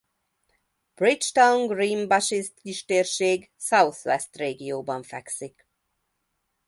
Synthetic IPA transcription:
b̥rit͡ʃt̪auŋɡriːmbɑʃist̪kiʃt̪eːrʃeːɡ | sɑwθʋɛst̪reːɡijoːbɒɱfɛksik

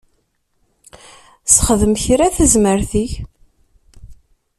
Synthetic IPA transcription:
sχəðəmçɾæθəzməɾθiç

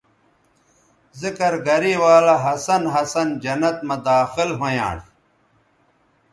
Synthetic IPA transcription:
zikɐɾɡɐɾiːwaːlɐɦɐsɐnɦɐsɐnd͡ʑɐnɐt̪̚mɐd̪aːxɪlɦojã̰ːɽ

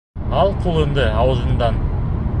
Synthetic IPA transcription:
ɑlˠqʰolˠənd̪əɑwəzənd̪ɑn

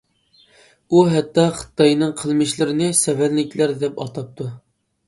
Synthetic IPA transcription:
uɦɛt̪ːɑχə̥t̪ːɑjnɨŋqʰəlˠmɪʃlɪɾɪnɪsɛvælːɪkʲʰlæɾd̪ɛpɑ̰t̪ʰɑp̚t̪ʰu

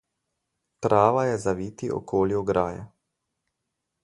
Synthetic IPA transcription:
t̪ɾʔaːʋajɛzaʋiːt̪iʔɔ̰kʰoːljuɡɾaːjɛ̰

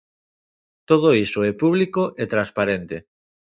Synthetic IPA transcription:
t̪oð̞oisoɛpuβlikoʔet̪ɾãnspaɾent̪e

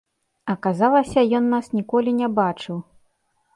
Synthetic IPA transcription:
ɐkazalˠɐsʲɐjɔnːasnʲikɔlʲinʲɛbat͡ʂɨw

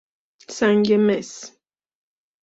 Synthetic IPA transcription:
saŋɡɛmɛs

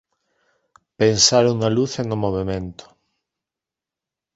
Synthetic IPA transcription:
pensaɾoŋnaluθenʊmoβ̞emẽnt̪ʊ̥

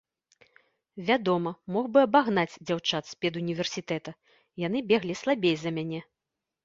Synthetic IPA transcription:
vʲad̪ɔmɐmɔɣbɨɐbaɣnad͡zʲd͡zʲawt͡ʂat̪sʲpʲɛd̪unʲivʲɛrsʲit̪ɛt̪ɐ | jan̪ɨbʲɛɣlʲislˠabʲejzɐmʲanʲɛ

